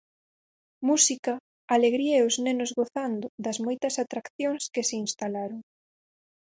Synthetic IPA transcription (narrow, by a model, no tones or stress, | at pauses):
musikɐ | aleɣɾiɐeʊznenʊzɣoθand̪ʊd̪ɐzmojt̪ɐsat̪ɾakθjoŋskɪsɪinst̪alaɾoŋ